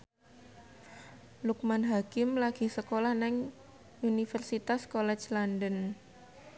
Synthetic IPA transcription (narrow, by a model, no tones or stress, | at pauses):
luk̚manɦakɪmlaɡ̥i̤hsəkolahnɛŋ | unifɛrsit̪askolɛt͡ʃlandən